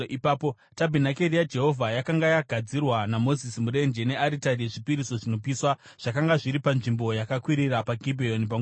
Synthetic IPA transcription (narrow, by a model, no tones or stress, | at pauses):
ipaːpo | tabʱinakerijad͡ʒe̞ɦo̞vʱajakaŋɡajaɡʱad͡zirwanamo̞zisimuɾe̞nd͡ʒe̞ne̞aɾitarieʐipiɾiso̞ʐino̞p̬iːswa | ʐ̥akaŋɡaʐiɾipanʐimbo̞jakakwiɾiɾapaɡʱibʱeonp̬a